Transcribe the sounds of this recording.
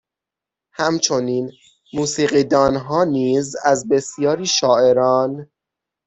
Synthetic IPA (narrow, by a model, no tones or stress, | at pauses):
hæmt͡ʃʰo̞niːn | muːsiːɣiːd̪ɒːnɦɒːniːzæzbe̞sjɒːɾiːʃɒːe̞ɾɒːn